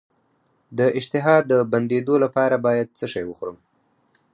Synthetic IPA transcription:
d̪əʔɪd͡ʒt̪ɪɦɑd̪ːəband̪ed̪olapɑɾabɑjad̪̚t͡səʃajwəxɾəm

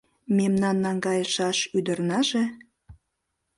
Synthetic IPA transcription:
memnɑnːɑŋɡɑjəʃɑʃyd̪ərnɑʒe

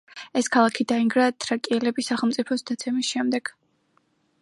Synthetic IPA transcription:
ɛskʰalˠakʰid̪aiŋɡɾat̪ʰɾakʼiɛlɛbisaχɛlˠmt̪sʼipʰɔsd̪at̪sʰɛmisʃɛmd̪ɛɡ̥

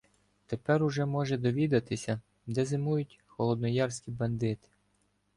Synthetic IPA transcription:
t̪epɛɾʊʒɛmɔʒɛd̪ɔʋʲid̪ɐt̪ɪsʲɐ | d̪ɛzɪmujʊtʲ | xɔlˠɔd̪nɔjɑrsʲkʲibɐnd̪ɪt̪ɪ̥

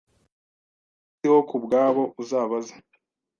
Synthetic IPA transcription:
f | itihokubɡaːβo̞ʔuzaːβaza

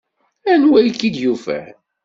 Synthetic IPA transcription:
ænwæjkːid̪jufæ̰

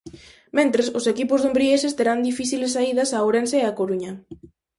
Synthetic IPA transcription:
mẽnt̪ɾesʊsekipʊzðombɾiesɪst̪eɾand̪ifiθilesːaiðɐsaowɾenseːakoɾuɲɐ

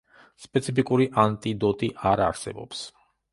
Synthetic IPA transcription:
spʼɛt̪sʰipikʼuɾiʔant̪ʼid̪ɔt̪ʼiʔaɾaɾsɛ̰bɔ̰ps

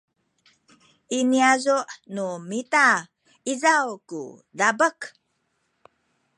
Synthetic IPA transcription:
ʔiniazuʔnumita | izawkṵdabək

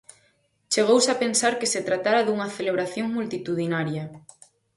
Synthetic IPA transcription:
t͡ʃeɣ̞owsapensaɾkeset̪ɾat̪aɾaðuŋɐθeleβ̞ɾaθjoŋmult̪it̪uðinaɾjɐ

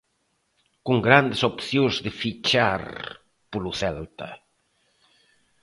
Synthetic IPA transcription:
kuŋɡɾand̪ɪsopθjõzðɪfit͡ʃaɾ | puluθɛlt̪ɐ̰

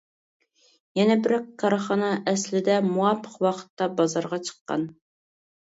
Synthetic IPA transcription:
jɛnɛbɪɾɛkkʰːɑɾɑχɑnɑʔɛslɪd̪ɛmuɑpʰːə̥qwɑqʰə̥t̪ːɑbɑzɑɾʁɑt͡ʃʰə̥qːɑ̰n

